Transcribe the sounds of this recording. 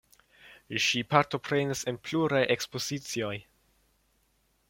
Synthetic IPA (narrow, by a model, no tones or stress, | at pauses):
ʃipaɾto̞pɾe̞nise̞npluɾajʔekspo̞zit͡sio̞j